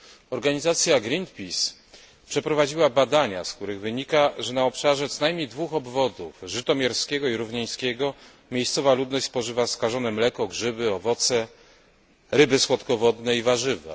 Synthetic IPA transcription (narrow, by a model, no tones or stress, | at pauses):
ɔɾɡaɲizat̪sʲjaɡɾint̪̚pʲis | pʂɛpɾɔvad͡ʑiwabad̪aɲa̰sk̚t̪uɾɘɣvɘɲikaʐɛnaɔpʂaʐɛt̪sɔnajmɲejd̪vuxɔbvɔd̪ufʐɘt̪ɔmʲjɛɾskʲɛɡɔiɾuvɲɛj̃skʲɛɡɔ | mʲjejst̪sɔvalud̪nɔɕt͡ɕʲspɔʐɘvaskaʐɔnɛmlɛkɔɡʐɘbɘɔvɔt̪sɛ | ɾɘbɘswɔt̪kɔvɔd̪nɛivaʐɘvɛ̰